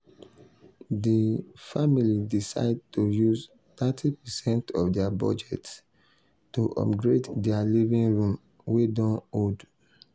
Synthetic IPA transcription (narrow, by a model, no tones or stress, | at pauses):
difamilidisa̰ɪd̚tojuz | t̪atʰipɛsɛ̃ntʰɔfdɛabɔ̰d͡ʒɛts | tuʔɔ̰pɡɹeddɛalivĩŋɹũm | wedɔ̃nod